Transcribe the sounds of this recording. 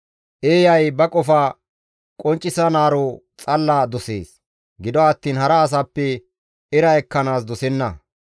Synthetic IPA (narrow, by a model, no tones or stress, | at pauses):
ʔeːjɐjbɐkʼɔfa | kʼɔnt͡ʃʼːɪsɐnaːɾo | t͡sʼɐlːaːd̪ɔsḛːs | ɡɪd̪ɔɐt̪ːiːnhɐɾɐːs̬apːɛ | ɪɾɐɛkːɐnaːsd̪ɔsɛnːɐ̰